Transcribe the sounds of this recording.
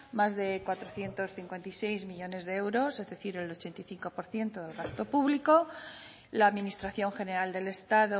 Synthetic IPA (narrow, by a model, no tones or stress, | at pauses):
mazðe̞kwat̪ɾo̞θje̞nt̪o̞sθiŋkwe̞nt̪aijsejzmiʎo̞ne̞zðeewɾo̞sezðe̞θiɾelo̞t͡ʃe̞nt̪ajθiŋko̞po̞ɾθje̞nt̪oðelɣast̪o̞puβliko̞ | laːðminist̪ɾaθjo̞ŋxe̞ne̞ɾald̪e̞le̞st̪aðo